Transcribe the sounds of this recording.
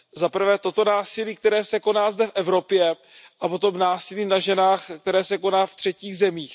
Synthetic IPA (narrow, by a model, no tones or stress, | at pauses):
zapr̩vɛːt̪o̞t̪o̞naːsɪliːk̚t̪ɛɾɛːsɛko̞naːzdɛfʔɛvɾo̞pjɛ | ʔapo̞t̪o̞mnaːsɪliːnaʒɛnaːxkt̪ɛɾɛːsɛko̞naːft̪r̝̥ɛciːɣzɛmiːx